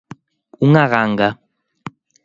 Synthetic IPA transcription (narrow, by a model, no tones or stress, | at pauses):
uŋaɣaːŋɡa